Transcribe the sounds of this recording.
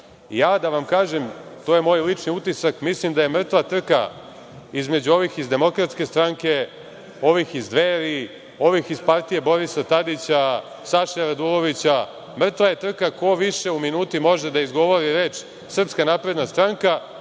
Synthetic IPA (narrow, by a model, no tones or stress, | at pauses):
ijaːd̪aʋamkaːʒemt̪oje̞mo̞ːjlit͡ʃniut̪isakmislimd̪ajemr̩t̪ʋat̪r̩ka̰ | izme̞d͡ʑuo̞ʋixizd̪e̞mo̞kɾat̪ske̞st̪ɾaŋke̞ | o̞ʋixizd̪ʋeɾi | o̞ʋixizpaɾt̪ije̞bo̞ɾisat̪ad̪it͡ɕa | saʃejaɾad̪ulˠo̞ʋit͡ɕa | mr̩t̪ʋaje̞t̪r̩kako̞ʋiʃe̞uminuːt̪imo̞ʒed̪aizɡo̞ʋo̞ɾiɾe̞ːt͡ʃ | sr̩pskanapɾe̞d̪nast̪ɾaŋka